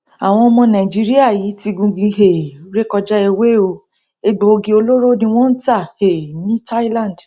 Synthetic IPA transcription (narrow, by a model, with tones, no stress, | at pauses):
a˨w̃ɔ̃˧ɔ˧mɔ̃˧nã˨d͡ʒi˦ɾi˦a˦˨ji˨˦ti˧ɡũ˧ɡ͡bĩ˧ɦe˨˦ɾe˦kɔ˧d͡ʒɛ˦e˧we˦o˧ | e˧ɡ͡bo˨o˧ɡĩ˧o˧lo˦ɾo˦nĩ˧w̃ɔ̃˦n̩˦ta˦˨he˨nĩ˦ta˦i˦lã˦˨d